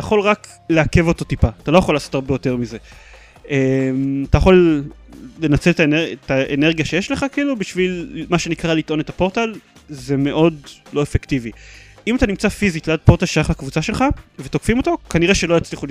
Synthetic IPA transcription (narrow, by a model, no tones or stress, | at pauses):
ajaχo̞lʁak | leake̞vo̞t̪o̞tipaat̪alo̞jaχo̞lːaːso̞taʁbejo̞t̪e̞ʁmize̞ | emat̪ajaχo̞lː | e̞nat͡se̞let̪aeneetaeneʁɡijaʃe̞jeʃle̞χakiilubiʃvilmaʃenikʁalit̪ʔo̞netapo̞ʁt̪alze̞me̞ʔo̞dlo̞efektiviʔimat̪animt͡safizitlead̚po̞ʁtalʃajaχlakvut͡saʃe̞lχave̞t̪okfimo̞to̞kaniʁeʃe̞lojat͡sliχul